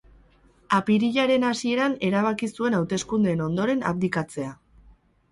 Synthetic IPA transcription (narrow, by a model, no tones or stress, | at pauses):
apiɾiʎaɾe̞nasie̞ɾane̞ɾaβ̞akisue̞nawt̪e̞skund̪e̞ːno̞nd̪o̞ɾe̞na̰pd̪ikat͡se̞a